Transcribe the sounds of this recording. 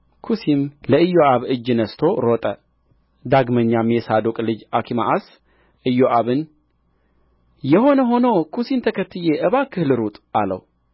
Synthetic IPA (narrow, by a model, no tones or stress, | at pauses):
kʰusimləɨjːoʔaβɨd͡ʒnəst̪ʰo̞ɾot̪ʼə | d̪aɡməɲːamjɛsad̪okʼlɨd͡ʒakʰima̰ʔas | ʔɨjːoʔaβɨn | jɛho̞nəɦo̞nokʰusint̪ʰəkʰət̪ːɨjeʔɨβakʰɨhlɨɾut̪ʼalə̰w